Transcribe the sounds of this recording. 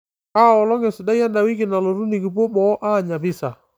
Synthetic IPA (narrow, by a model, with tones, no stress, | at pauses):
aː˦˨ɔ˨lɔ˦ŋɛ˨sɪ˨da˦ja˦nda˨wi˦kɪ˨na˨lɔ˨ɾu˦ni˨ki˨po˦ɓɔ˨˦ʔa˦˨ɲa˨bɪ˦sa˨